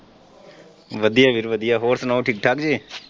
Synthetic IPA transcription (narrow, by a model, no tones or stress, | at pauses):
ʋəd̪ijaːʋiɾʋəd̪ijaɦoːɾsnaʈʰiːk̚ʈʰaːkd͡ʒeː